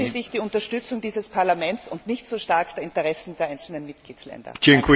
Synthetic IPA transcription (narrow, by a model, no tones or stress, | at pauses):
əzɪçd̥iːʊntɐʃtʏt͡sʊŋd̥iːzəspʰaɐlamɛntsʊntnɪçtz̥oːʃtaɐkd̥eɐɪ̃ntəʁɛsn̩deːɐʔaɪnt͡sl̩nənmɪt̚ɡ̥liːtslɛ̰ndɐ̰t͡ʃɪŋkʰw